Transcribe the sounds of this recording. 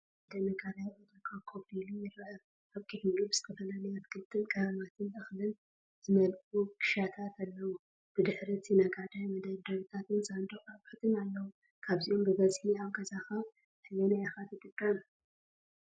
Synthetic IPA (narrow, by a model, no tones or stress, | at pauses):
d̪ɐnɐɡʼaɾajʔot̪ʼɐkʼakʰobilijɪrɐʔɐ | ʔaβkʼiħmubɨz̥ɨt̪ʰɐfɐlalɐjot̪ɨ̥kʰɨlt̪ʼːɨnkʼɐɾɐmat̪ʰɨnʔɨxlɨn | zɨmɐlʔʼukʰʼɨ̥ʃat̪ʰat̪ʰalːɐwu | b̥ɨd̪ɨħɾit̪ʰinɐɡad̪ajmɐd̪ɐd̪ɐβit̪ʰat̪ɨnsʼand̪okʼaβħat̪ʰɨnalːɐwu | kʰaβziʔo̞mbɨβɐzʼħiaβɡʼɐzaxa | ħɨjɐnajaxat̪ʰɨt̪ʼɨkʼːam